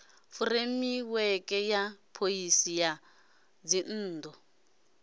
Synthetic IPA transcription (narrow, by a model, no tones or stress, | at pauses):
furemiwɛkʼɛjapʰoisija | d͡zin̩ːdɔ